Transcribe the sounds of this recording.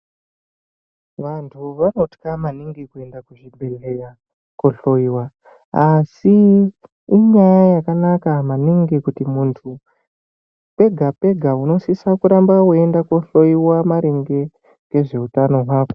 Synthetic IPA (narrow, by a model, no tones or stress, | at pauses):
ʋantʰuʋano̞ti̥kamaniŋɡikue̞ndakuʐibʱe̞ɮe̞ja | koɬoiwa | asiː | ɲajajakanakamaniŋɡikutimuntʰu | pe̞ɡʱape̞ɡʱauno̞sisakuɾambawue̞ndakoɬo̞iwamaɾeŋɡe̞ | ke̞ʐe̞utano̞ɦaːko